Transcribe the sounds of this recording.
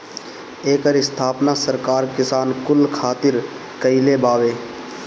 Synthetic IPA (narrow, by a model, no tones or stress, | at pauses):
eːkəɾɪst̪ʰaːpnasəɾkaːɾkɪsaːnkʊlkʰaːt̪ɪɾ | kəɪlebaːʋeː